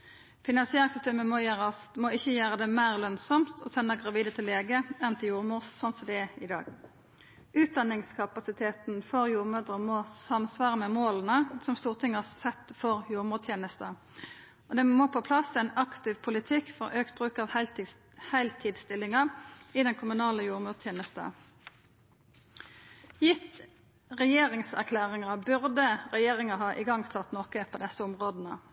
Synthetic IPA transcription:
fɪnɑnsɪeːʁɪŋsʏst̪eːməmojøːʁɑsmoːɪçːəjøːʁəd̪ɛmæɪʁlœnsɔmt̪ʰɔsɛnːəɡʁɑʋiːd̪ət̪ʰɪlːeːɡəɛnt̪ʰɪjuːʁmuːʁssɔnsɔd̪ɛɛɪd̪ɑ̰ːɡ̥ | ʉːt̪̚d̪ɑnɪŋskʰɑpɑsɪt̪ʰeːt̪nfɔʁjuːʁmød̪ʁəmɔsɑmsʋɑːʁəmɛmoːlənəsɔmst̪uːʁt̪ʰɪŋːhɑsɛt̪ːfɔʁjuːʁmət̪ʰjeːnəst̪ə | ɔd̪ɛmoːpʰɔpʰlɑsːæɪnɑkt̪ɪʋpʰʊlɪt̪ʰɪkːfɔʁʔøːkt̪̚bʁʉːkɑːʋ | hæɪlt̪ʰɪːd̪st̪ɪlɪŋɑɪd̪ɛnkʰʊmʉnɑːləjuːʁmʉːt̪ʰjeːnəst̪ə̰ | jɪt̪ | ʁɛjeːʁɪŋsæ̰ʁkʰlæːʁɪŋɑbʉʁd̪əʁɛjeːʁɪŋɑhɑːʔɪɡɑŋsɑt̪nɔːkəpʰoːd̪ɛsəʊmʁoːd̪nə

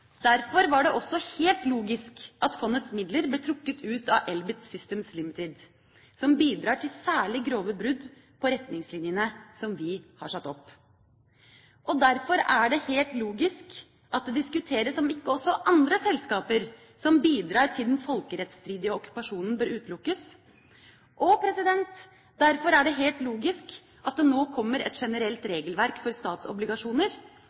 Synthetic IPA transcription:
d̪̥æɾfɔɾʋɑɖɛʔɔsːɔheːlt̪luːɡɪskʔɑt̪fɔnːət̪smɪd̪ləɾbleːt̪ʰɾʊkːət̪ʰʉːt̪ɑʔɛlbɪt̪sʏst̪eːmslɪmɪt̪ɪd̪ | sɔmbiːd̪ɾɑːʈʰɪlsæːɭɪɡɾoːʋəbɾʉd̪ | pʰɔɾɛt̪nɪŋslɪnjənəsɔmʋɪhɑ̰ʂɑt̪ːɔpː | ʔɔd̪æɾfɔɾæɖɛheːlt̪luːɡɪsk | ʔɑt̪̚d̪ɛd̪ɪskʉt̪ʰeːɾəsːɔmɪkːəɔsːɔʔɑnd̪ɾəsɛlskɑːpəɾ | sɔmbiːd̪ɾɑːɾʈʰɪld̪ɛnfɔlkəɾɛt̪st̪ɾiːd̪ɪəɔkːʉ̥pɑʂuːnən̩bøːɾʉːt̪lʊkːəs | ʔɔpʰɾɛsɪd̪ɛnt̪ | d̪æɾfɔɾæɖɛɦeːlt̪loːɡɪsk | ʔɑt̪̚d̪ɛnoːkʰɔmːəɾɛ̰t̪ʂɛnəɾɛlt̪ɾeːɡəlʋæɾkfɔɾst̪ɑːt̪sɔ̰blɪɡɑʂuːnəɾ

